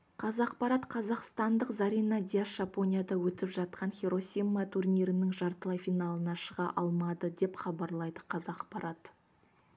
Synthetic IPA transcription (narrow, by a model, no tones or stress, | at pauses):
qʰɑzɑqpɑɾɑt̪qʰɑzɑqst̪ɑnd̪əqzɑɾʲijnɑd̪ʲiasʒ̥apo̞nʲijad̪ɑwɵt̪ɪpʒɑt̪̚qʰɑnχʲeɾo̞sʲijmːat̪ʰurnʲiɾɪnɪŋʒɑɾt̪əlˠɑjfinalˠənɑʃəʁɑʔɑlˠmɑd̪əd̪e̞pχɑbɑɾlˠɑjd̪əqʰɑzɑqpɑɾɑt̪